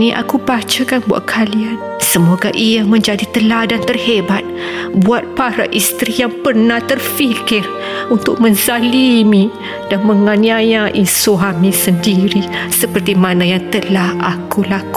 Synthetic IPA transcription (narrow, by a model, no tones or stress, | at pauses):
niʔa̰kubat͡ʃakanbua̰ʔkʰalian | səmoɡaʔiamə̃ɲd͡ʒadit̪əladant̪ərhebat̪̚ | buat̪̚paɾa̰ʔist̪ɾijaŋpərnaht̪ərfikɪr | unt̪ʊk̚mə̃nsalimĩ | d̥anməŋaniajaʔisoɦamĩsəndiɾisəpərt̪imanajaŋt̪əlahakulak